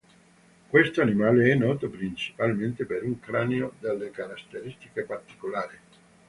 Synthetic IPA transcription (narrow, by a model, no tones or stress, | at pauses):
kwest̪oanimaːleɛnːɔːt̪opɾint͡ʃi̥palment̪epeɾuŋkɾaːneod̪elːekaɾast̪eɾist̪ikepart̪i̥kolaːɾi